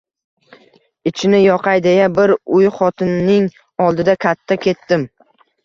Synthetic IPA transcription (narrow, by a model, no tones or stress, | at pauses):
ɪt͡ʃʰɪnɪjɒqɑjd̪ejabɪɾʊjχɒt̪ʰɪnːɪŋ | ɒlˠd̪ɪd̪akʲʰat̪ʰːakʲʰe̞t̪ːɪm